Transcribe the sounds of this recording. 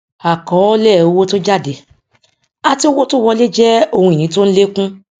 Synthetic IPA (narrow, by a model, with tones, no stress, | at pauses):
a˨kɔ˨˦lɛː˦˨o˧wo˦to˦d͡ʒa˦˨de˨ | a˧ti˦o˦wo˦to˦wɔ˧le˦d͡ʒɛ˦o˧hũ˧i˨nĩ˨˦to˦n̩˦le˦kũ˦